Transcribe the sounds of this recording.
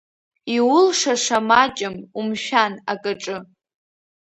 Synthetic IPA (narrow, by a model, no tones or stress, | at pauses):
iwʊlʂaʂamat͡ʃʼɪmumʃᶣana̰kʼaʈ͡ʂʼɨ